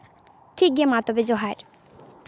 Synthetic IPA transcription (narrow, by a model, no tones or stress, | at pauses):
ʈʰik̚ɡemat̪obed͡ʑoɦaɾ